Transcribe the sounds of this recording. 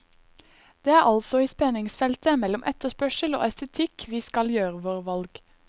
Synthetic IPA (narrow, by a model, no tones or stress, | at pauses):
d̪̥eːæːʁʔɑlsɔiːspɛnɪŋsfɛlt̪əmɛlɔmʔɛt̪əspœʃəlo̰ːɛst̪ət̪ʰɪkʰʋiːskɑljøːʁəʋoːʁʋɑlɡ̥